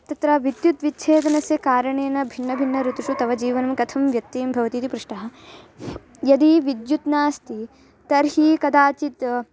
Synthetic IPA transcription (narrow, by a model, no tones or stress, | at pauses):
t̪ɐt̪ɾɐːʋid̪jut̪ʋitːt͡ʃʰeːd̪ɐnɐsjɐkaːɾɐɳeːnɐbʱinːɐbʱinːɐɾut̪uʂut̪ɐʋɐd͡ʒiːʋɐnɐmkɐt̪ʰɐmʋjɐk̚t̪ːiːmbʱɐʋɐt̪iːt̪ipɾuʂʈɐɦɐ̆ | jɐd̪iʋid̪jut̪naːst̪i | t̪ɐɾɦiːkɐd̪aːt͡ʃit̪